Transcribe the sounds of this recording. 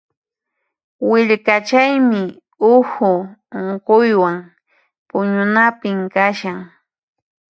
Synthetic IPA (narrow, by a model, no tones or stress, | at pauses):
wɪʎkat͡ʃajmɪ | ʊhʊoɴqojwaŋ | pʊɲʊnapɪmkaʃaŋ